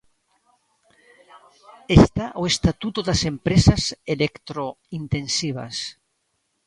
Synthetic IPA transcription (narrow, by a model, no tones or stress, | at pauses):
est̪aʔoest̪at̪ut̪oðasempɾesaselekt̪ɾoint̪ensiβa̰s